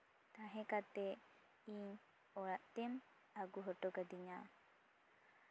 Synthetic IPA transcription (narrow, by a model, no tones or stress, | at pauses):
t̪aɦɛ̃kat̪ɛ | iɲ | ɔɾaʔt̪ɛm | aɡuɦɔʈɔɡad̪iɲa